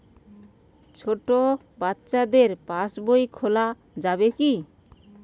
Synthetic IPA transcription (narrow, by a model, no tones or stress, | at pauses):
t͡ʃʰoʈo | bat̪t͡ʃad̪eɾpãsbojkʰola | d͡ʒabeki